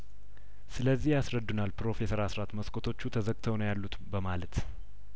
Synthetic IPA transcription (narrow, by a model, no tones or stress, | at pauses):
sɨləzːihjasɾəd̪ːunalpɾo̞fe̞səɾasɾat̪məskʰʼot̪ʰo̞t͡ʃːut̪ʰəzəɡʼt̪ʰəwnəwjalːut̪bəmalət̪